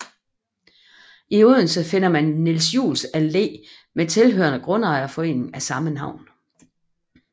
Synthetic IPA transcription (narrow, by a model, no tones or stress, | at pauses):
ioð̰ˠn̩səfe̝n̰ɐmænːelsjṵːlsæle̝̰ː | met͡sʰe̝lɦø̰ɐnəɡ̥ʁɔ̽nɑ̈ɪɐfɒ̽e̝̰n̰ŋ̩æsɑ̈mənɑ̈ʊ̰n